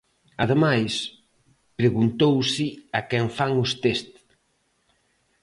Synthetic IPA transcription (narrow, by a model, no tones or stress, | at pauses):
aðemajs | pɾeɣunt̪owsɪakɛɱfaŋʊst̪est̪